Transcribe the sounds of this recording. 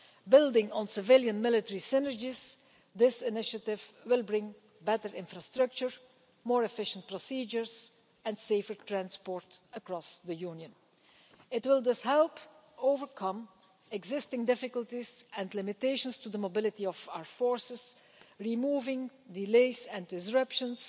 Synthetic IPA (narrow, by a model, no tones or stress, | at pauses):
bɪlˠdɪ̃ŋə̃nsɪvɪlˠjə̃nmɪlˠɪtəɹisɪ̃nə˞d͡ʒiz̥ | ðɪsɪnɪʃətɪvwɪlˠbɹɪ̃ŋ | bɛtəɹɪ̃nfɹastɹʌk̚t͡ʃəɹ | mɔːɹɛfɪʃə̃nt̚pɹɔsiːd͡ʒəɹz | ɛ̃nseɪfəɹtʰɹæ̃nspɔɹtəkɹɔsðəjunjə̃n | ɪtwɪlˠd͡ʒʌshɛlˠp | oʊvəɹkʰʌ̃m | ɛɡzɪstɪ̃ŋdɪfɪkəlˠtizɛ̃ndlɪmɪteɪʃə̃nstuðəmobɪlˠɪtiɔvaʊəɹfɔɹsɪz | ɹimuːvɪ̃ŋdɪleɪzɛ̃ndɪzɹʌpʃə̃ns